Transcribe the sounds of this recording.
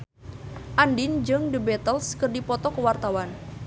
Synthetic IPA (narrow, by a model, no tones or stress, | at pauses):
ʔandɪnd͡ʒɨŋdəbɛt̪əlskərdipɔt̪ɔkəwart̪awan